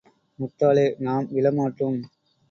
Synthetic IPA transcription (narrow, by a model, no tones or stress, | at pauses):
mʊt̪ːaːleːnaːmʋɪlɐmaːʈːɯm